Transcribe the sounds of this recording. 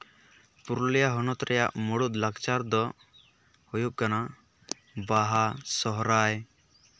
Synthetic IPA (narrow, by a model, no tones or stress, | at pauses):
puɾlijaɦɔnɔt̪ɾɛja̰ʔmɔɽut̪̚laɡt͡ʃaɾd̪ɔ | hujup̚kana | baɦasɔɦɾaj